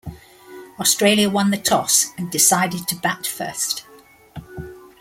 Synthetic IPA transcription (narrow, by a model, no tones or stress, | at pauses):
ɒstɹ̥eɪljəwʌ̃nðətʰɒsə̃ndɪsaɪdɪd̚tʰəbatfɜ̰ˑst